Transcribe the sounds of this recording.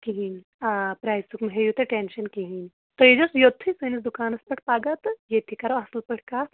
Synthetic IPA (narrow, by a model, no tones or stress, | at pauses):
kiɦin | apɾaːjsukmɐɦejut̪eʈenʃɐnkiɦinʲ | t̪ojed͡ʒosjot̪ʰːɨsɨnis̬d̪ukaːnɐspɐʈʰpaːɡat̪jet̪ʰikɐɾɐɐslpəʈʰkaːt̪